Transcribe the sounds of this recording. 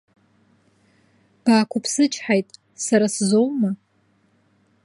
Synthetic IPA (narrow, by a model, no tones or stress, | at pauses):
b̥aːkʷʰʊpʰsɨt͡ʃʰħajtʼ | saɾaszowma